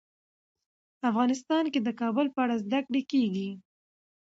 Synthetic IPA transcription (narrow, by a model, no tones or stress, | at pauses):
afɣɑnɪs̬t̪ɑnked̪əkɑbʊlpəaɽazd̪akɽekeɡi